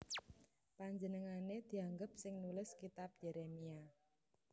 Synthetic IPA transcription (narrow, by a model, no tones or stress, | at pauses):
paɲd͡ʒənəŋaned̪̥i̤aŋɡəp̚sɪŋnulɪskit̪ap̚jɛɾemia